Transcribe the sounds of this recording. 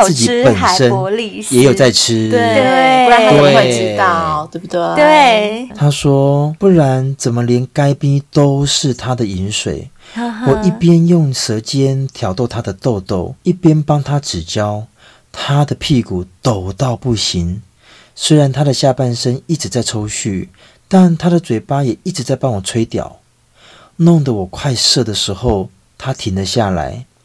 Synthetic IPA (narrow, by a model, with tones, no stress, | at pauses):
t͡s̩˥ɨ˥˩t͡ɕi˨˦pə˨˩nʂə˦˥nli˥˨jɛ˧˦jo˨˩t͡sa˥˧ɪʈ͡ʂ̩ʰ˦e˥t̪we˥˨˥ | e˥˧e˥˩t̪ʰa˦˥ʂwɔ˥pu˥˩ɻa˧˦nt͡sə˨˩mə˦ljɛ˧˥nka˥ɪpi˦t̪o˥ʊʂɻ̩˥˨t̪ʰa˦d̪ə˨i˨˥nʂwḛ˨˩ɪ | wɔ˨˩i˥˩pjɛ˦˥njʊ˥˨˩ŋsɤ˧˥t͡ɕjɛ˦nt̪ʰjɑ˨˩ʊt̪o˥˩ʊt̪ʰa˥d̪ə˨t̪o˥˧ʊt̪o˥˩ʊi˥˩pjɛ˥npɑ˥ŋt̪ʰa˦ʈ͡ʂɻ̩˨˩t͡ɕjɑ˦˥ʊ | t̪ʰa˦d̪ə˨pʰi˥˧ku˨˩t̪o˨˩ʊt̪ɑ˥˧ʊpu˥˩ɕi˨˦n | swe˥ɪɻa˨˧˦nt̪ʰa˥d̪ə˨ɕja˥˧pa˥˩nʂə˦ŋi˥˩ʈ͡ʂɻ̩˨˦t͡sa˥˩ɪʈ͡ʂʰo˥ʊɕy˥˩ | t̪a˥˨nt̪ʰa˥ɾə˨t͡swe˨˩ɪpa˦jɛ˨˩i˥˩ʈ͡ʂɻ̩˧˦t͡sa˥˩ɪpɑ˥ŋwɔ˨˩t͡sʰwe˥ɪt̪jɑ̰˨˩˦ʊ | nɔ˥˨ŋd̪ə˨wɔ˨˩kʰwa˥˧ɪʂɤ˥˩d̪ə˩ʂɻ̩˧˥xo˥˧ʊ | t̪ʰa˦t̪ʰi˨˥nlə˨ɕja˥˩la̰˧˦˥ɪ